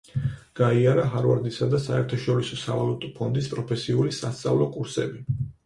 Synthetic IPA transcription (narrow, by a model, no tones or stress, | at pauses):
ɡ̥aiaɾaɦaɾvaɾd̪isad̪asaɛɾt̪ʰaʃɔɾisɔsa̰valˠut̪ʼɔpʰɔnd̪ispʼɾɔpʰɛsiulisast̪sʼa̰vlˠɔkʼuɾsɛ̰bi